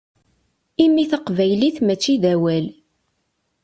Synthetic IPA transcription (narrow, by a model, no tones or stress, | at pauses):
imːiθəqvæjliθmæt͡ʃːiðæwæl